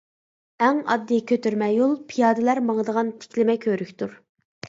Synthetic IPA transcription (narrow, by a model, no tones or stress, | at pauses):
ɛŋɑ̰d̪ːɨkʲʰøt̪yɾmɛjolˠpʰijɑːd̪ɨlæɾmɑŋəd̪əʁɑnt̪ʰɪ̥kʲlɪmɛkʲʰøɾykʲt̪uɾ